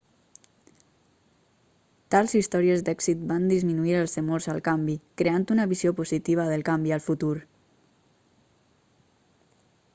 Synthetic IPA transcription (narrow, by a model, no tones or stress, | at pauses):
t̪alˠzist̪ɔɾiəzd̪ɛksit̪̚band̪izminuiɾəlˠzəmoɾzəlˠkambikɾeant̪unəβiziopuzit̪iβ̞əðəlˠkambiəlˠfut̪uɾ